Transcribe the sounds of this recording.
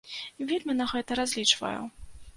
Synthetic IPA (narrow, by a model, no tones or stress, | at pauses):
vʲilʲmɨnaɣɛt̪ɐɾazʲlʲit͡ʂvɐ̰jṵ